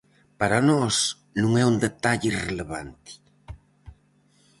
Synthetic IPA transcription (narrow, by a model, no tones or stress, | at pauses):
paɾanɔs | nũŋɛund̪et̪aʎireleβa̰nt̪i̥